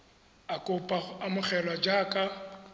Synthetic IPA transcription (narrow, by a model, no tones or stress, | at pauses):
akʼʊpʼaamʊχʰɛlwad͡ʒaːkʼa